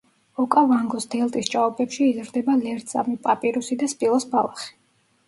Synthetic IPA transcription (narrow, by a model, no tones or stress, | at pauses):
ɔkʼavaŋɡɔsd̪ɛlˠt̪ʼist͡ʃʼaɔpʼɛpʃiːzɾd̪ɛbalɛɾt̪sa̰mipʼapʼiɾusid̪aspʼilˠɔsbalˠaχi̥